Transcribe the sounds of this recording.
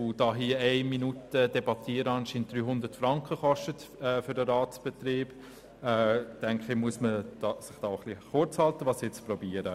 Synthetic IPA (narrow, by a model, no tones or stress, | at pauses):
ʊd̥ɑːɦiəɛɪminutəd̥ɛbɑt̪iːəɾəɑnʃint̚d̥ɾyːɦʊnd̪ətfɾɑŋkχəχɔʃtətɛːføɾdəɾɑːtsb̥ɛt̪ɾiːb̥ | ɛːtɛŋkχəmuəsməd̥ɑsɪχd̥ɑːχliχʊɾt͡shɑltəʋɑːsjɛt͡sprɔbiːəɾə